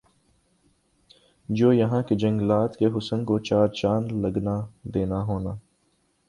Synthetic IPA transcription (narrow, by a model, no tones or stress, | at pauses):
d͡ʒoːjɐɦãːked͡ʒɐ̃ŋɡlaːt̪keɦʊsənkot͡ʃaːɾt͡ʃaːnlɐɡnad̪eːnaɦoːnaː